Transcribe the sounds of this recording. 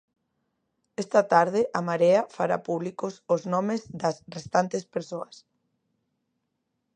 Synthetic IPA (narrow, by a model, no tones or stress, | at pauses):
ɛst̪ɐt̪aɾð̞ɪʔamaɾeafaɾapuβlikosoznɔmezd̪ɐsrest̪ant̪espeɾsoɐs